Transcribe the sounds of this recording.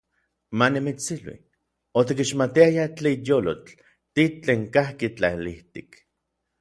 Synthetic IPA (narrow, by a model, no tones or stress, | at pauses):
manimit͡silwḭ | ot̪̬ikiʃmat̪iajat͡ɬeijoːlot͡ɬ | t̪it͡ɬeːŋkahkit͡ɬailiht̪ik